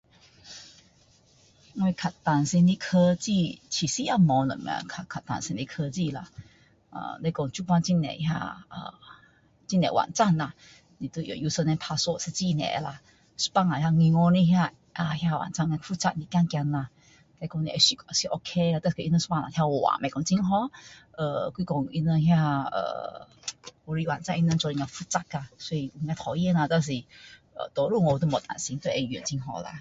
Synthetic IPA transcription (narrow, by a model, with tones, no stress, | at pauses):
we˧kʰa˨˩t̪a˨nsi˧ni˧kʰə˧t͡ɕi˧t͡ɕʰi˨˩si˧ʔa˧mɔ˨˧˦lə̰˨mḭ˧˨a̰˧˨kʰa˨˩kʰa˨t̪a̰˨nsi˧ni˧kʰə˧t͡ɕi˧˨la˧ | ʔə̰˧le˧˦kʊ˧ŋt͡ɕu˧pwa˧nt͡ɕi˧˨nɛ̰˨hja̰˧ʔə̰˧ | t͡ɕi˦˥nɛ̰˨wa̰˨˩nt͡sa˥˧˨nla˧ | ni˨t̪u˧˨jo̰˨ju˧˦sə˧nɛ̃˧npʰa˧so˧˨se˧t͡ɕi˥˧˨nɛ̰˨ʔla˧ | su̥˧˦pa˥˧˨ŋa˨hja˧ŋi˧ŋɔ˧nĩ˧ɦja˧ | ʔa˧hja˧˨wa̰˨nt͡sa˥˧˨ŋa˧fu˦˧t͡sa˧t̚ni˨˩kja˧ŋkja˧na˧ | t̪a˧kɔ˧ŋni˧ʔɛ˧si˧kə˧˨si˧ʔo˧kʰe˧a˧t̪a˧skə˧˨i˧nə˧su̥˧˦pa˥˨na̰˨˩t̪ja˧wwa̰˨mɛ˨kɔ˧ŋt͡si˧ŋɦɔ˧˦ʔə˨kwi˧kɔ˧ŋi˧nə˧hja˧ə̰˧˩ | wɔ˧ɾi˧wa̰˨nt͡sa˧ŋʔi˧na˧nt͡ʃɔ˧li˧ŋa˧fu˧t͡sa˧t̚ka˧swɔ˧i˧ŋa˧jt̪ʰɔ˨˩i˧ə˧na˧t̪a˧s̬i˧˨ | ə̰˨t̪ɔ˧ɾu˥˧˨ŋo˧t̪u˧mɔ˨t̪a̰˨si˧˦ŋt̪ɔ˧˦˧ʔɛ˧ji˧˨ə̰˨nt͡ɕi˧ŋɦɔ̰˧la̰˧˨